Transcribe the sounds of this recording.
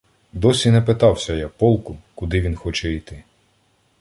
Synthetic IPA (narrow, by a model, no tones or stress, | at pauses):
d̪ɔsʲinɛpɪt̪ɑwsʲɐjapɔlˠkʊkʊd̪ɪʋʲinxɔt͡ʃɛijt̪ɪ